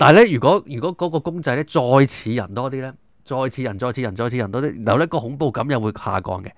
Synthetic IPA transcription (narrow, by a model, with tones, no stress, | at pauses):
t̪aː˨˩lɛː˥jyː˨˩kɔː˨˥jyː˨˩kɔː˨˥kɔː˨˥kɔː˧kʊ˥ŋt͡sɐ˧jlɛ˥t͡sɔː˧jt͡sʰiː˨˧jɐ̰˨˩nt̪ɔː˥t̪iː˥lɛː˥ | t͡sɔː˧jt͡sʰiː˨˧jɐ˨˩nt͡sɔː˧jt͡ɕʰiː˧ɐ˨˩nt͡sɔː˧jt͡ɕʰiː˧ɐ˨˩nt̪ɔː˥iː˥˩njɐ˨wjɐ˥kɔː˧hʊ˨˥ŋpo˧wkɐ˨˥mjɐ˨˩wuː˨˧jha̰ː˨˩kɔ̰ː˧ŋkɛ˧